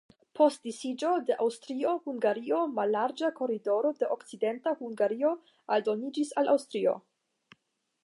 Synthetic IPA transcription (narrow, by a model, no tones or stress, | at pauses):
pʰo̞st̚disid͡ʒo̞de̞ʔawstɾio̞huŋɡaɾio̞malːaɾd͡ʒako̞ɾido̞ɾo̞de̞ʔokt͡side̞ntahuŋɡaɾio̞ | aldo̞nid͡ʒisalʔa̰wstɾio̞̰